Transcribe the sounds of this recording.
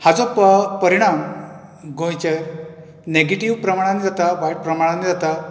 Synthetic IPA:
had͡zɔppəɾiɽ̃am | ɡõjt͡ɕeɾ | neɡeʈiʋpɾəmaɽ̃anid͡zat̪abajʈ̚pɾəmaɽ̃anid͡zat̪a

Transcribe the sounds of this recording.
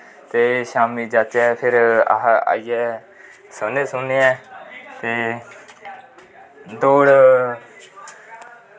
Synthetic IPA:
t̪eːʃaːmiːd͡ʒat͡ʃɛːpʰɪɾa̰ɦa̰ːijɛː | səneːsʊnːeːɛːt̪eː | d̪oːɽ

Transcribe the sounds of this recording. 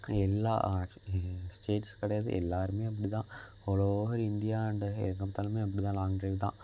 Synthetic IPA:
elːa̰ː | sʈeːʈskɐɽɐjɐðɨ̰ʔḛlːaːɾumeːɐpːɐɽit̪ãːhoːɭoːʋɐɾind̪ijaːjuɳɖɨḛkːɐmt̪ːaːlumeːɐpːɐɽit̪ãːnlaːŋɳrit̪ã̰ː

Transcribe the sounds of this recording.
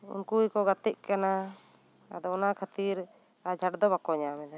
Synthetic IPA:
ṵnkujkɔɡat̪ɛʔkana | ad̪ɔɔnakʰat̪iɾ | ad͡ʒʱaʈd̪ɔbakɔɲamɛd̪a

